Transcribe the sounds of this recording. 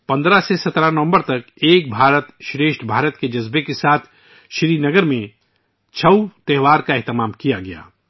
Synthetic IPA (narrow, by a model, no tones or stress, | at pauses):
pɐ̃nd̪ɾasesɐt̪ɾanɐʋə̃mbəɾt̪ɐk | eːk̚bʱaːɾət̪ʃɾeːʃʈbʱaːɾət̪ked͡ʒɐzbekesaːt̪ʰ | ʃɾiːnɐɡəɾmẽ | t͡ʃʰɐut̪ɛɦʋaːɾkaɛɦt̪ɪmaːmkijaɡɐja̰ː